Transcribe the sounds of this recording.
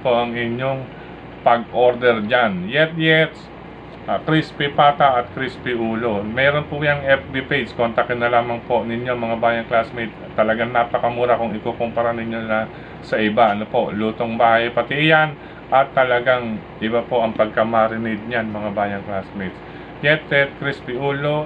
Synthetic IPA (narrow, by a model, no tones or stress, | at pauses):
po̞ʔɐŋɪɲjo̞ŋ | pɐɡʔo̞ɾd̪ɛɹd͡ʒanjɛt̪̚jɛt̪s | ʔkɾispɪpaːt̪ɐʔɐt̪̚kɾispɪʔuːlo̞mɛːɾo̞npʊjɐŋɛp̚b̪ɪpejd̪skont̪ɐkɛnɐlaːmɐŋpo̞nɪɲjo̞mɐŋabaːjɐŋklasmijt̪ | t̪ːɐlɐɡaŋnaːpɐkɐmuːɾakʊŋɪkoːkompɐɾanɪɲjo̞nɐ | sɐʔɪbaʔɐnopo̞ʔluːt̪o̞ŋbaːhɐjpɐt̪ɪjan | ʔɐt̪ːɐlɐɡaŋ | ʔɪbapo̞ʔɐŋpɐɡ̚kɐmɐɾɪnɪd̪̚ɲanmɐŋabaːjɐŋklasmet̪s | jɛt̪jɛt̪̚kɾispɪʔuːlo̞